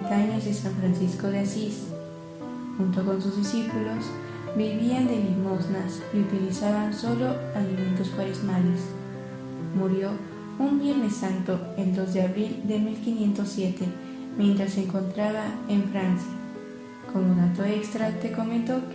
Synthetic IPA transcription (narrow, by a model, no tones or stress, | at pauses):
t̪aɲozðesaɱfɾansisko̞ðeasis | xunt̪o̞ko̞nsuzðisipulo̞s | biβiand̪e̞limo̞znas | iut̪ilisaβanso̞lo̞aliment̪̬ospwaɾezmale̞s | muɾjo̞ | umbje̞ɾne̞sːant̪o̞ | eld̪o̞zðeaβɾild̪e̞milkinje̞nt̪o̞sːje̞t̪e̞ | mje̞nt̪ɾasːeŋko̞nt̪ɾaβ̞aeɱfɾansja | ko̞moðat̪oekst̪ɾat̪e̞ko̞ment̪ok